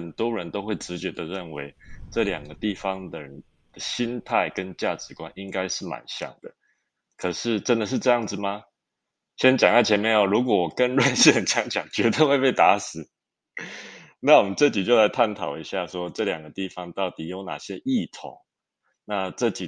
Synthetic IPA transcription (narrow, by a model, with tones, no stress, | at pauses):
ə˨˩nt̪wɔ˥ɻə˧˦nt̪o˥ʊxwe˥˩ɪʈ͡ʂɻ̩˧˥t͡ɕɥɛ˧˥d̪ə˨ɻə˥˩nwe˧˥ɪʈ͡ʂɤ˥˩ljɑ̰˨˩ŋɡə˩˦t̪i˥˩fɑ˦ŋd̪ə˨ɻə˦n | d̪̥ə˨ɕi˦nt̪ʰa˥˩ɪkə˦nt͡ɕja˥˩ʈ͡ʂɻ̩˨˥kwa˦ni˦ŋka˥ɪʂɻ̩˥˩ma̰˨˩nɕjɑ̰˥˩ŋd̪̥ə˩ | kʰɤ˨˩ʂɻ̩˥˩ʈ͡ʂə˦˥nd̪ə˨ʂ̬̩˥˧ʈ͡ʂɤ˥˧jɑ˥˩ŋd͡zɹ̩˩ma˧ | ɕɛ˥nt͡ɕjɑ˨ŋa˥˩t͡ɕʰɛ˧˥nmjɛ˥˧na˨˩ɻu˧˥kwɔ˨˩wɔ˨˩kə˦nɻwa˥˧nɕɛ˥˩t͡ɕʰjɑ˧˥ŋt͡ɕjɑ˨˩ŋt͡ɕɥɛ˧˥t̪ə˥˧we˥˧ɪpe˥˩ɪt̪a˧˥sɹ̩˨˩˦ | na˥˩wɔ˨˩mə˦nʈ͡ʂɤ˥˩t͡ɕi˨˩t͡ɕjo˥˩ʊla˧˥ɪt̪ʰa˥˩nt̪ʰɑ˨˩ʊi˧˦ɕja˥˩ʂwɔ˦ʈ͡ʂɤ˥˩ljɑ˨˩ŋɡə˩˦t̪i˥˩fɑ˧˦ŋt̪ɑ˥˩ʊt̪i˨˩jo˧˥ʊna̰˨˩ɕjɛ˦ʔi˥˩t̪ʰʊ̰˧˦ŋ | na˥˧ʈ͡ʂɤ˥˩t͡ɕi˨˩